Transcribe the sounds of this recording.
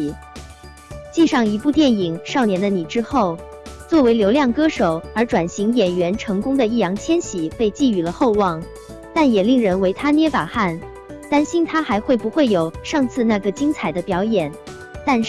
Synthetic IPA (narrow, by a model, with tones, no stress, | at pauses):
t͡ɕi˥˧ʂɑ˥˩ŋi˧˥pu˥˧t̪jɛ˥˩ni˨˩ŋʂɑ˥˩ʊnjɛ˧˥nd̪ə˧ni˨˩ʈ͡ʂɻ̩˥xo˥˩ʊ | t͡swɔ˥˩we˧˥ɪljo˧˥ʊljɑ˥˩ŋkɤ˥ʂo˨˩ʊə˞˧˥ʈ͡ʂwa˨˩nɕi˧˥ŋjɛ˨˩nɥɛ˧˥nʈ͡ʂʰɤ˧˥ŋkʊ˥ŋd̪ə˨i˥˩jɑ˧˥ŋt͡ɕʰjɛ˥nɕi˨˥˦pe˥˧ɪt͡ɕi˥˩y˨˩lə˦xo˥˧ʊwɑ˥˩ŋ | t̪a˥˩njɛ˨˩li˥˩ŋɻə˧˥nwe˧˥ɪt̪ʰa˥njɛ˥fa˨˩xa˥˩n | t̪a˥nɕi˥nt̪ʰa˥xa˧˥ɪxwe˥˩ɪpu˧˥xwe˥˩ɪjo˨˩ʊʂɑ˥˧ŋt͡sʰɹ̩˥˧na˥˩ɡə˩t͡ɕi˥ŋt͡sʰa˨˩ɪd̪ə˦pjɑ˧˥ʊjɛ˨˩˦n | t̪a˥˧n˥